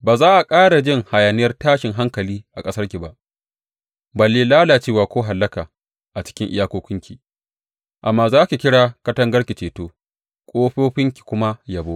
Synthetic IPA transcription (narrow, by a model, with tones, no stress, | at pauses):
baː˨zaː˦ʔa˨kʼaː˦ɽa˨d͡ʒɪ˦ŋha˨jaː˨nɪ˦jɐ˦rtaː˦ʃɪ˨ŋɦa˦ŋkɐ˨liː˦ʔa˨kʼɐ˦sɐ˦rkʲi˨ba˦ʔ | bɐ˨lːiː˦laː˦laː˨t͡ʃeː˦˨waː˨kʷoː˦ɦa˨lːɐ˦kaː˨ | ʔa˨t͡ʃɪ̥˦kʲɪ˦ŋʔɪ̰˦jaː˦koː˦kʊ˦ŋkʲi˨ | ʔa˨mːaː˨zaː˦kʲi˨kʲɪ˦ɽaː˦˨kɐ˦tɐ˦ŋɡɐ˦rkʲi˨t͡ʃeː˨toː˦ | kʷʼoː˦ɸoː˦ɸɪ˦ŋkʲi̥˨kʷʊ˦ma˦ja˨bo˦ʔ